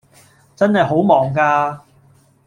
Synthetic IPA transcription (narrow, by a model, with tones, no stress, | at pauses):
t͡sɐ˥nhɐ˨jɦo˨˥wmɔː˨ŋkaː˧